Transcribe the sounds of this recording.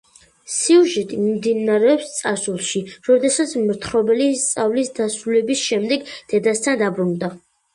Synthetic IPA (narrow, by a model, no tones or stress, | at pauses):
siuʒɛt̪ʼimmd̪inaɾɛɔpst̪sʼasulˠʃiɾɔd̪ɛsat̪sʰmɾt̪ʰɾɔbɛlist̪sʼavlisd̪asɾulɛbisʃɛmd̪ɛɡd̪̥ɛd̪ast̪ʰand̪abɾund̪a